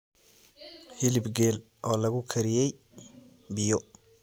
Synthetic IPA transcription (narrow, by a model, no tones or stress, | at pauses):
hɪlɪbɡɛːl | ʔɔːlɐɣʊkʰɐɾɪjɛj | bɪjɔ